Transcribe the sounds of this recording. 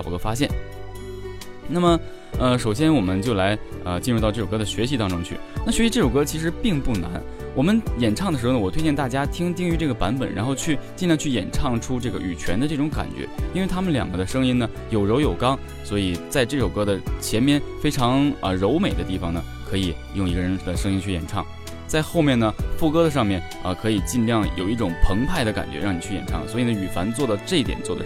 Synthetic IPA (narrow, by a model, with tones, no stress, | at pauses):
kɤ˥fa˥ɕ̬jɛ˥˩n | na˥˩mə˩ | ə˧ʂo˨˩ʊɕ̬jɛ˥nwɔ˨˩mə˦nt͡ɕjo˥˧ʊla˧˥ɪ | ə˧t͡ɕi˥˧ɻu˥˧t̪ɑ˥˧ʊʈ͡ʂɤ˥˩ʈ͡ʂo˨˩kɤ˥də˨ɕɥɛ˧˥ɕ̬i˧t̪ɑ˥ŋʈ͡ʂʊ˥ŋt͡ɕʰy˥˩na˥˩ɕɥɛ˧˥ɕi˧ʈ͡ʂɤ˥˩ʈ͡ʂo˨˩ʊkɤ˥t͡ɕʰi˧˥ʂ̬ɻ̩˧˥pi˥˧ŋpu˥˩na̰˧˥n | wɔ˨˩mə˦njɛ˨˩nʈ͡ʂʰɑ˥˩ŋd̪ə˩ʂɻ̩˧˥xnə˧wɔ˨˩t̪ʰe˥t͡ɕjɛ˥˧nt̪a˥˩t͡ɕja˥t̪ʰi˥ŋt̪i˥˩ŋy˧˥ʈ͡ʂɤ˥˩ɡə˩pa˧˥npə̰˨˩nɻʔa̰˧˥nxo˥˧ʊt͡ɕʰy˥˧t͡ɕi˥˧ljŋt͡ɕʰy˥˩jɛ̰˨˩nʈ͡ʂʰɑ˥˩ŋʈ͡ʂʰu˥ʈ͡ʂɤ˥˩ɡə̰˩ʔy̰˨˩t͡ɕʰɥɛ̰˧˥nd̪ə˧ʈ͡ʂɤ˥˩ʈ͡ʂʊ˧˥ŋka̰˨˩nt͡ɕɥɛ̰˧˥i˥nwe˥˩ɪt̪ʰa˥mə˨nljɑ̰˨˩ŋɡə˦d̪ə˧ʂɤ˥ŋi˥nnə˨ | jo˨˩ʊɻo˧˥ʊjo˨˩ʊkɑ˥ŋ | swɔ˧˥i˨˩t͡sa˥˧ɪʈ͡ʂɤ˥˩ʂo˨˩ʊkɤ˥d̪ə˨t͡ɕʰjɛ˧˥nmjɛ˥nfe˥ɪʈ͡ʂʰɑ˧˥ŋə̰˧ɻo˧˥ʊme˨˩ɪd̪ə˦i˥˩fɑ˨˩ŋnə˩ | kʰɤ˧˥i˨˩ | jʊ˥˩ŋi˧˥ɡə˧ɻə˧˥nd̪ə˧ʂɤ˥ŋi˥nt͡ɕʰy˥˩jɛ̰˨˩nʈ͡ʂʰɑ̰˥˩ŋ | t͡sa˥˧ɪxo˥˧ʊmjɛ˥˩nnə˩fu˥˧kɤ˥ɾə˨ʂ̬ɑ˥˧ŋmjɛ˥˩n | ə˧kʰɤ˧˥i˨˩t͡ɕi˥˧nljɑ˥˩ŋjo˨˩ʊi˥˩ʈ͡ʂʊ˨˩ŋpʰɤ˧˥ŋpʰa˥˩ɪɾə˩ka̰˨˩nt͡ɕɥɛ̰˧˥ɻɑ˥˩ŋni˨˩t͡ɕʰy˥˩jɛ̰˨˩nʈ͡ʂʰɑ˥˩ŋswɔ˧˥i˨˩nə˧˩y˨˩fa˧˥nt͡swɔ˥˩d̪ə˩ʈ͡ʂɤ˥˩˥t̪jɛ̰˨˩nt͡swɔ˥˩d̪ə̰˩